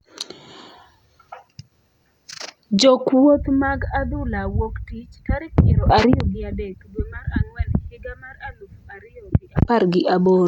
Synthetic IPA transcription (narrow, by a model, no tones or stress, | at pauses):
d͡ʒokwot̪maɡad̪ʊlawoktit͡ʃkaɾɪkmɪɾoʔaɾɪjoɡɪadekdwemaɾaŋwɛlheɡamaɾalufuaɾɪjoɡɪapaɾɡɪʔaboɾ